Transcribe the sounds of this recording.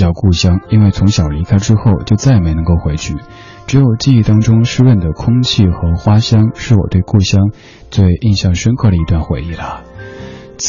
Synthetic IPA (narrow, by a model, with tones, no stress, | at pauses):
jɑ˥˧ʊku˥˩ɕjɑ˥ŋi˥nwe˥˩ɪt͡sʰʊ˧˥ŋɕjɑ˨˩ʊli˧˥kʰa˥ɪʈ͡ʂɻ̩˥xo˥˩ʊt͡ɕjo˥˧ʊt͡sa˥˩ɪme˧˥ɪnɤ˧˥ŋko˥˩ʊxwe˧˥ɪt͡ɕʰy˥˩ | ʈ͡ʂɻ̩˧˥jo˨˩ʊt͡ɕi˥˧i˥˧t̪ɑ˥ŋʈ͡ʂʊ˥ŋʂɻ̩˥˧wə˥˩nd̪ə˩kʰʊ˥ŋt͡ɕʰi˥˩xɤ˧˥xwa˥ɕjɑ˥ŋʂɻ̩˥˩wɔ̰˨˩t̪we˥˧ɪku˥˩ɕjɑ˥ŋ | t͡swe˥˧ɪʔi˥˧nɕjɑ˥˩ŋʂə˥nkʰɤ˥˩ɾə˩i˧˥t̪wa˥˩nxwe˧˩ɪi˥˩lə˩ | t͡s